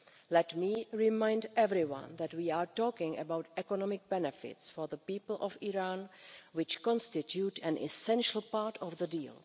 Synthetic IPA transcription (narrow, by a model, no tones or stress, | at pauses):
lɛtmiɹɪmãj̃ndɛvɾɪwã̰nðɛtwiːaːɹtɔːkɪ̃ŋɛ̰bawtɛkɔnɔmɪk̚bɛnɛfɪ̰tsfɔɹðəpiːpl̩ʔɔfiɹanwɪt͡ʃkɔ̃nstɪtjutɛ̃nɪ̰sɛ̃nʃl̩ˠpaɹtʰɔfðədiːlˠ